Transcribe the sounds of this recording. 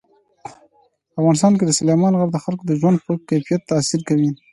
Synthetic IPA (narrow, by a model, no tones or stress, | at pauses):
afɣɑnɪst̪ɑnk̬ed̪əsʊlejmɑnɣaɾd̪əxalkod̪əʒwand̪pəkajfijat̪ːɑsiɾkawi